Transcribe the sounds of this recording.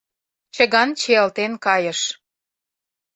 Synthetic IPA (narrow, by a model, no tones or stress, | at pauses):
t͡ɕə̆ɣɑnt͡ɕeəlt̪enkɑjə̆ʃ